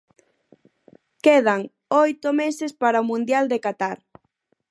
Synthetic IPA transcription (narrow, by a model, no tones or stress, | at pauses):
keð̞aŋ | ojt̪ʊmesespaɾaomũnd̪jald̪ekat̪aɾ